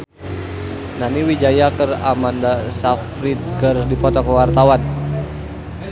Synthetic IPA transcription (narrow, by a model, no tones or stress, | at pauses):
naniwid͡ʒajakəra̰mandasafɾit̪̚kərdipɔt̪ɔkəwart̪awan